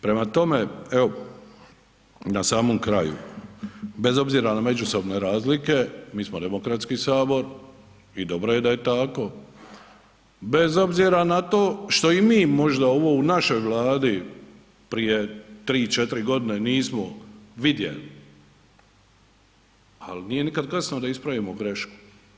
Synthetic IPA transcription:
pɾe̞mat̪o̞meeo | nasaːmomkɾajṵ | be̞zo̞bziɾaname̞d͡ʒuso̞bne̞ɾaːzlike̞miːsmod̪e̞mokɾat̪skisaːbo̞ɾ | id̪o̞bɾoje̞d̪aje̞t̪ako̞ | be̞zo̞bziɾanat̪o̞ːʃt̪o̞imiːmo̞ʒd̪ao̞ʋo̞unaʃo̞jʋlˠaːd̪i | pɾije̞t̪ɾiːt͡ʃet̪iɾiɡo̞d̪ineniːsmoʋid̪jḛli | alniːje̞nikad̪kasnod̪aispɾaʋimoɡɾe̞ʃku̥

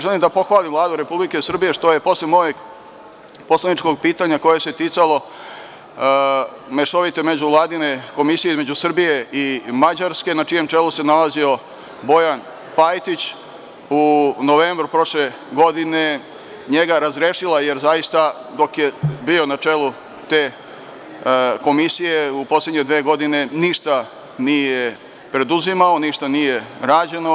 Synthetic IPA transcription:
ʒelimd̪apo̞xʋaːlimʋvlˠaːd̪uɾe̞publikesr̩bije̞ʂt̪o̞je̞po̞slemo̞jeɡ | poslanit͡ʃko̞ɡ̚piːt̪aɲako̞je̞set̪it̪salˠo̞ | meʃoʋit̪eme̞d͡ʑuʋlˠaːd̪ine̞ko̞misijeizme̞d͡ʑusr̩bije̞imad͡ʑaɾske̞nat͡ʂije̞mt͡ʂe̞luse̞nalazio̞ | bo̞jan | pajt̪it͡ɕ | unoʋeːmbɾupɾo̞ʃle | ɡo̞d̪ine̞ | ɲeɡaɾazɾeːʃilˠaje̞ɾzajist̪ad̪o̞kje̞bio̞nat͡ʂe̞ːlu | t̪e̞ː | ko̞misije̞upo̞sle̞d̪ɲe̞d̪ʋeːɡo̞d̪ine̞niʃt̪a | nije | pɾe̞d̪uzimao̞niʃt̪anije̞ɾaːd͡ʑe̞no̞

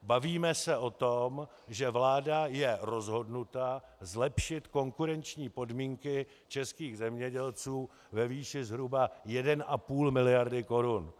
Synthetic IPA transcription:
baviːmɛsɛʔo̞t̪om | ʒɛvlaːdajɛɾo̞zɦo̞dnut̪azlɛpʃɪt̪ko̞ŋkuɾɛnt͡ʃɲiːpo̞dmiːŋkɪ | t͡ʃɛskiːɣzɛmɲɛɟɛlt͡suː | vɛviːʃɪzɦɾubajɛdɛnʔapuːlmɪlɪjaɾdɪko̞ɾun

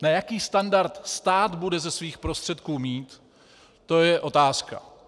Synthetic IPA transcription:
najakiːst̪andaɾt̪st̪aːt̪budɛzɛsviːxpɾo̞st̪r̝̥ɛt̪kuːmiːt̪ː | o̞jɛʔo̞t̪aːska̰

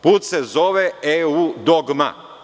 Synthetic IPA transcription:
puːt̪sezo̞ʋeeud̪oɡma̰

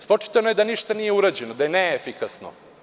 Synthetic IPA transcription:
spot͡ʂi̥t̪anojed̪aniʃt̪anijeuɾad͡ʑe̞nod̪ajeneefikasno̰

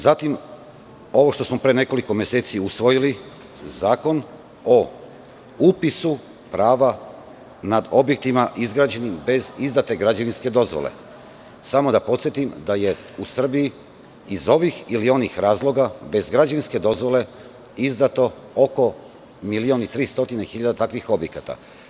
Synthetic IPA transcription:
zat̪im | o̞ʋo̞ʃt̪osmo̞pɾene̞ko̞liko̞mje̞seːt̪siusʋo̞jili | zaːko̞n | o | upisu | pɾaːʋa | nad̪o̞bjek̚t̪imaʔizɡɾaːd͡ʑe̞nimbe̞zizd̪at̪e̞ɡɾad͡ʑaʋinske̞d̪o̞zʋo̰lḛ | samo̞d̪apo̞t̪sjet̪imd̪aje̞ | usr̩biji | izo̞ʋixilio̞nixɾaːzlˠo̞ɡabe̞zɡɾad͡ʒaʋinske̞d̪o̞zʋo̞le̞ | izd̪at̪o̞ | oko̞ | milionit̪ɾiːst̪o̞t̪inexiʎad̪at̪akʋixo̞bjekat̪a̰

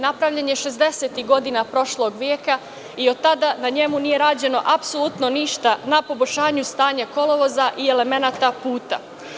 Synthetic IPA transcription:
napɾaʋʎaɲeʃe̞zd̪e̞set̪iɦɡo̞d̪inapɾo̞ʃlo̞ɡʋjeːka | iod̪̚t̪ːad̪anaɲe̞munije̞ɾaːd͡ʑe̞no̞̰ʔapso̞lut̪no̞niʃt̪anapo̞bo̞ʃaːɲust̪aːɲako̞lo̞ʋo̞zaʔie̞le̞me̞nat̪apuːt̪a̰

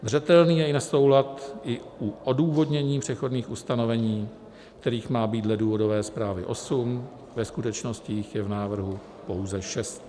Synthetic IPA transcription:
zr̝ɛt̪ɛlniːjɛɪnaso̞wlat̪ʔɪuʔoduːvo̞dɲɛɲiːpr̝̥ɛxo̞dniːxust̪ano̞vɛɲiː | kt̪ɛɾiːxmaːbiːt̪dlɛduːvo̞do̞vɛːspɾaːvɪʔo̞sum | vɛskut̪ɛt͡ʃno̞scɪɪxjɛvnaːvr̩ɦu | po̞wzɛʃɛst̪

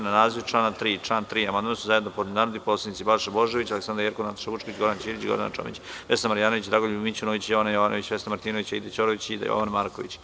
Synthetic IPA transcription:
nanaːziʋʈ͡ʂlaːnat̪ɾiːʈ͡ʂlaːnt̪ɾiːamand̪mansuzaje̞d̪nopod̪ninaːɾod̪iposled̪nit̪sibalʃeboʒeʋit͡ɕaleksand̪ɾjeɾkonat̪o̥ʃaʋut͡ʃkoit͡ɕɡo̞ɾd̪ant͡ʃiːɾit͡ɕiɡo̰d̪ana̰t͡ʃo̰mḭt͡ɕʋesamaɾjaːnoʋit͡ɕd̪ɾaːɡoʎubimit͡ɕunoʋit͡ɕjoʋanajoʋanʔoʋit͡ɕʋest̪amaɾt̪iːnoit͡ɕaid̪et͡ɕoɾoit͡ɕid̪a̰jo̰ʋanmaːɾkoʋḭt͡ɕ

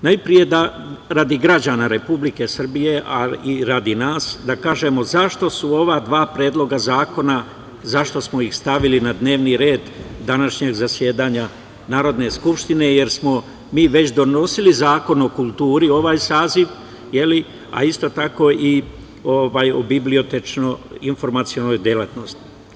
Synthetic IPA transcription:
najpɾije̞d̪a | ɾad̪iɡɾad͡ʑaːnaɾe̞publike̞sr̩bije̞ʔaiɾad̪inaːsd̪akaːʒe̞mo̞zaʃt̪o̞suo̞ʋad̪ʋaːpɾe̞ːd̪lˠo̞ɡazaːko̞na | zaʃt̪o̞smo̞ixst̪aʋilinad̪ne̞ːʋniɾe̞ːd̪ːanaʃɲeɡzasjeːd̪aːɲa | naːɾo̞d̪ne̞skupʃt̪ine̞je̞ɾsmo̞ | miːʋe̞t͡ɕd̪o̞no̞silizaːko̞no̞kulˠt̪uːɾio̞ʋaːjsaːziʋ | je̞li | a̰ist̪o̞t̪ako̞ʔi | oʋaːjobiblio̞t̪et͡ʃnoinfo̞ɾmat̪sio̞nojd̪jelat̪no̞st̪i̥

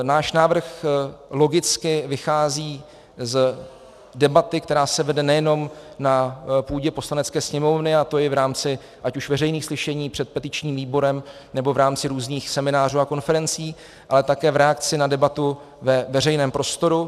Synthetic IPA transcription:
naːʃnaːvr̩xlo̞ɡɪt͡skɪvɪxaːziː | z | dɛbat̪ɪk̚t̪ɛɾaːsɛvɛdɛnɛjɛno̞mnapuːɟɛpo̞slanɛt͡skɛːsɲɛmo̞vnɪat̪o̞jɪvɾaːmt͡sɪ | ʔacuʃvɛrɛjniːxslɪʃɛɲiːpr̥ɛt̪̚pɛt̪ɪt͡ʃɲiːmviːbo̞ɾɛm | nɛbo̞vɾaːmt͡sɪɾuːzniːxsɛmɪnaːr̝uːako̞nfɛɾɛnt͡siː | ʔalɛt̪akɛːvɾɛakt͡sɪnadɛbat̪u | vɛvɛrɛjnɛːmpɾo̞st̪o̞ɾu

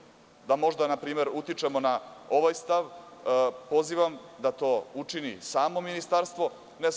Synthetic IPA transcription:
d̪amo̞ʒd̪anapɾiːme̞ɾut̪it͡ʃemo̞nao̞ʋajst̪aʋ | po̞ziːʋamd̪at̪o̞ːut͡ʂinḭsaːmo̞minist̪aɾst̪ʋo̞ | nes

